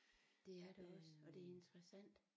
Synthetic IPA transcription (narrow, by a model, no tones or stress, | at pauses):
d̥e̝æɐɾ̥eɒ̽sɒ̽d̥e̝æɐe̝nd̥ʁəsæn̰d̥